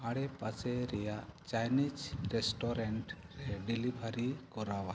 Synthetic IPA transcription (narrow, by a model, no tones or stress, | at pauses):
aɽepaseɾɛjat͡ʃajnid͡ʒɾesʈɔɾeɳʈ | ɾeɖilibʱaɾikɔɾawa